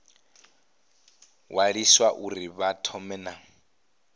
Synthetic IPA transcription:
wʔaɺiswaʔuɾiβatʰɔmɛna

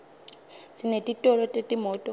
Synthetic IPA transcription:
sinetʼitʼɔlɔtʼetʼimɔːtʼɔ

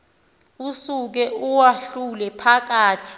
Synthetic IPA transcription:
usuk̬ɛuwaɬulɛpʰak̬aːtʰi̥

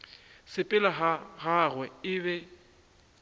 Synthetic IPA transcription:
sɪpʼɪlaɦaɣaɣwɛɪβɛ

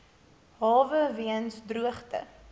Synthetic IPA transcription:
ɦɑːvəviənsdruəχtə̰

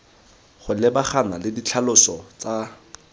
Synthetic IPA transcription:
χʊlɪbaχanalɪdit͡ɬʰalʊsɔt͡sa

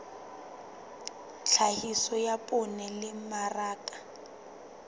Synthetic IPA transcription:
t͡ɬʰahisɔjapʼʊnɛlɪmaraːkʼḁ

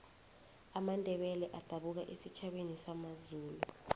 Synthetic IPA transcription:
amandʱɛɓɛlɛʔad̥ʱaɓuk̬aʔesit͡ʃʰaɓenisamazuːlu

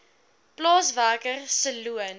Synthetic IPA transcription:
plɑːsvæːkərsəluən

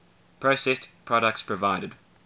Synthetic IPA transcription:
pʰɹ̥oʊsɛstpʰɹ̥ɔɾək̚tspʰɹ̥əvaɪɾəd̥

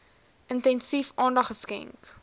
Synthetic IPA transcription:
ʔəntɛnsifʔɑːndɐχəskɛ̰ŋk

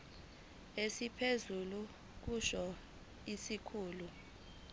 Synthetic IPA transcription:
esipʰezulu | k̬uʃɔ | isikʰuːlu

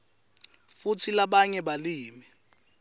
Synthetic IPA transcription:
futʰilaɓaɲɛɓaliːmi

